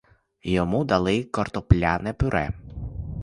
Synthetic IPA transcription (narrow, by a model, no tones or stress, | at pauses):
jɔmud̪ɐlˠɪkɔrt̪ɔplʲanɛpʊɾʔɛ̰